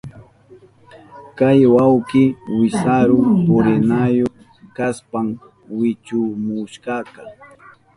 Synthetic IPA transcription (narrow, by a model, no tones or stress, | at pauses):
kajwawkɪwɪsaɾʊpoɾɪnajoχ | kaspam | wɪt͡ʃʊmʊʃkɑka